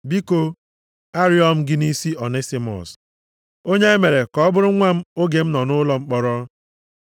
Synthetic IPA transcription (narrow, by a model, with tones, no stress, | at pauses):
bi˦ko˦ | a˦ɾjɔ˦m̩˦ɡɪ˦ni˦si˦ɔ˨ne˦si˨mɔ̰˨s | o˦ɲe˦e˦me˨ɾe˨kɔ˦ɔ˦bʊ˦ɾʊ˦ŋʷa˦m̩˦o˦ɡe˨m̩˦nɔ˨nʊ˦lɔ˦ŋ͡m̩˦k͡pɔ˦ɾɔ˦